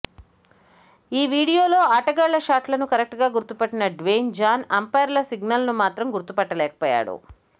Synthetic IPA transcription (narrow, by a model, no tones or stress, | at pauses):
iːʋiːɽijo̞ːlo̞ːɐʈɐɡɐɭːɐʂaːʈlɐnukɐɾek̚ʈɡaːɡuɾt̪upɐʈːinɐɖʋeːnd͡ʒaːnɐmpɐjɐɾlɐsiɡnɐlnumaːt̪ɾɐmɡuɾt̪upɐʈːɐlɛːkɐ̥poːja̰ːɽṵ